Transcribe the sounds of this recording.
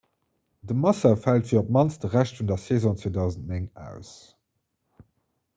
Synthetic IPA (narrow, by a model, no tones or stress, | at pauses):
dəmɑsɐfæltfiɐop̚mɑnt͡sd̥əʁæɕtfundɐseːzõːt͡svoːdɑʊzəntneŋæ̰ʊs